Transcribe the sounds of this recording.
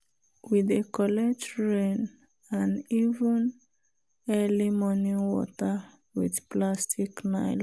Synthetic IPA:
widekɔlɛd͡ʒɹẽn | ãnivũn | ɛlimɔniwɔ̰tə | widplastʰiknaɪl

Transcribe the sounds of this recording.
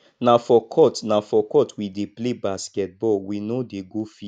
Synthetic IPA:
nafɔkʰɔtnafɔkɔtwideplebaskɛt̚bɔlwinodeɡofi

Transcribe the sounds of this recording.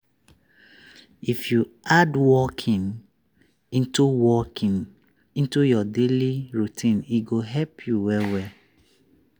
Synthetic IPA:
ifjuadwɔkʰĩn | ĩntuwɔkĩn | ĩntujɔdeliɹutʰĩniɡoɦɛpʰjuwɛwɛ

